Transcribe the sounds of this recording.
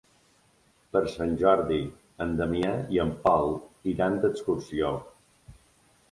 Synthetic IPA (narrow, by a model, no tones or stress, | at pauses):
pəɾsanʲʒɔɾði | ənd̪əmiaiəmpalˠiɾand̪əkskuɾsio